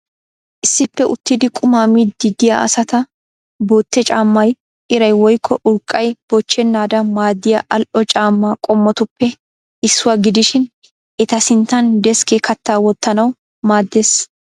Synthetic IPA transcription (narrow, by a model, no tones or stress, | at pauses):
ʔɪsːɪpːɛʔʊt̪ːɪd̪ɪkʼʊmaːmid̪ɪd̪ɪja̰ʔɐ̰sɐt̪ɐ | bo̞ːt̪ːɛt͡ʃʼaːmːɐj | ʔɪɾɐjwɔjkʰːɔʔʊɾkʼːɐjb̥ɔt͡ʃːɛnːaːd̪ɐmaːd̪ːɪjaʔɐlʔɔt͡ʃʼaːmːaːkʼɔmːɔt̪ʊpːɛ | ɪsːʊwaɡɪd̪ɪʃɪn | ʔɛt̪ɐsɪnt̪ːɐnd̪ɛskekɐt̪ːaːwɔt̪ːɐnɐw | maːd̪ːeːs